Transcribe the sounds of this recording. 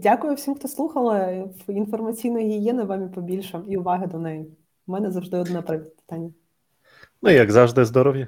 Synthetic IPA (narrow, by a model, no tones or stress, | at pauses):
dʲakʊjʊwsʲimxt̪ɔslˠuxɐlˠɪwinfɔrmɐt͡sʲijnɔjjɪjɛnɪʋɑmʲipɔbʲilʲʃɔiʊʋɑɦɪd̪ɔnɛjɪ | mɛnɛzɐwʒd̪ɪɔd̪nɛpɾɐʋʲipɪ̥t̪anʲːɐ | nuijɐɡzɑʒd̪ɪzd̪ɔɾɔʋjɐ